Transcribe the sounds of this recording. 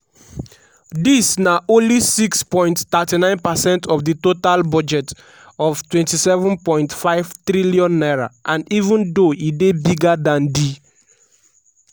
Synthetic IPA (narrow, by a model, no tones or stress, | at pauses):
disnaʔõnlisikspɔ̃ɪj̃nttatinãɪ̃npasɛ̃ntʰɔfditotalbɔd͡ʒɛt | ɔvtwɛ̃ntisɛvũnpɔ̃ɪ̃ntfaɪv̥tɹiliɔ̃nːaɹa̰ʔãnivũndoidebiɡadãndi